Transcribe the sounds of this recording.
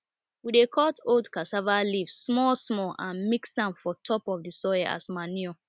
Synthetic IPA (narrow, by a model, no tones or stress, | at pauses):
widekʰɔtoldkasavalivsmɔsmɔʔãnmiksãnfɔtʰɔpɔfdisɔaa̰smaniɔ